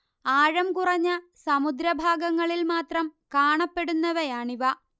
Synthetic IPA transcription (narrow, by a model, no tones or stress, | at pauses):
aːɻɐmkurɐɲːɐsɐmud̪ɾɐbʱaːɡɐŋːɐɭilmaːt̪rɐmkaːɳɐpːe̞ɽunːɐʋɐjaːɳiʋɐ